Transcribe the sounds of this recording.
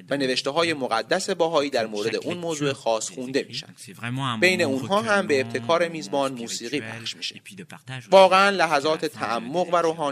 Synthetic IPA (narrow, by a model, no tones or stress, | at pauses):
væne̞ve̞ʃt̪e̞ɦɒːje̞moɣæd̪ːæse̞bɒːɦɒːiːd̪æɾmoːɾe̞d̪e̞̰ʔuːnmoːzuːe̞xɒːsxund̪e̞mḭːʃæ̰nd̪̥b̥e̞jne̞uːnɦɒːɦæmbe̞ːb̚t̪ʰe̞kʰɒːɾe̞miːzbɒːnmuːsiːɣiːpʰæ̰χʃmiːʃevɒːɣe̞ænlæɦæzɒːt̪ʰet̪ʰæʔæmːo̞ɣvæɾoːɦɒː